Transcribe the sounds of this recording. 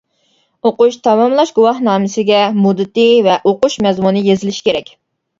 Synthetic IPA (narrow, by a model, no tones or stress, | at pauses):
oquʃt̪ʰɑmɑmlˠɑʃɡuwɑhnɑːmɪsɪɡʲɛmud̪ɨt̪ɨvɛʔoqʊʃmɛzmunɨjezɪlɪʃi̥kʲʰeɾɛkʲ